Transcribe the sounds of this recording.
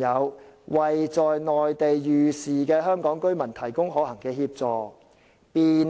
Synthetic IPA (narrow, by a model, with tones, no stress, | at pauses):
jɐ˨˧wwɐ˨jt͡sɔː˨jnɔː˨˩jt̪e˨jːyː˨˩siː˨kɛː˧ɦœː˥ŋkɔː˨˥ŋkɵ˥ɥmɐ˨˩nt̪ʰɐ˨˩jkʊ˥ŋɦɔː˨˥hɐ˨˩ŋkɛː˧hiː˧p̚t͡sɔː˨ | piː˨n